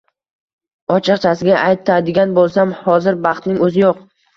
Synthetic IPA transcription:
ɒt͡ʃʰɨqt͡ʃʰasɪɡʲaʔajt̪ʰad̪ɪɡʲanbolˠsamhɒzɪɾbɑχt̪nɪŋɵzɪjoq

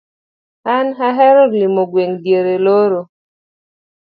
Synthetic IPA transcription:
anɦaɦɛɾɔɾlimoɡweŋdjeɾeloɾo

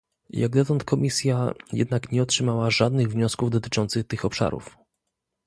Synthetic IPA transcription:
jaɡd̪ɔt̪ɔnt̪̚kʰɔmʲisʲjajɛ̰d̪nakɲɛɔtʂɘmawaʐad̪nɘɣvɲɔskuvd̪ɔt̪ɘ̥t͡ʂɔnt̪sɘxt̪ɘxɔpʂa̰ɾṵf

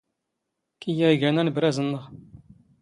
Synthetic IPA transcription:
kijæɡænænəbɾæzənːəʁ

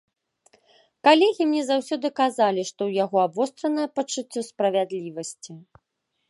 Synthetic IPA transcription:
kalʲɛɣʲimnʲɛzawsʲɔd̪ɨkazalʲiʂt̪ɔwjaɣɔabvɔst̪ɾɐnɐjɐpɐt͡ʂɨt͡sʲːɔspɾɐvʲad̪lʲivɐsʲt͡sʲi

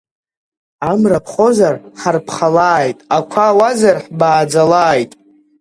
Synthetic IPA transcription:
amrapʰχo̞zarħarpʰχalaːjtʼakʷʰaːwazarħbaːd͡zalaːjtʼ

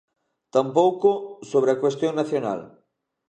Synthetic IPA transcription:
t̪ampowkʊsoβ̞ɾeakwest̪jõŋnaθjona̰l

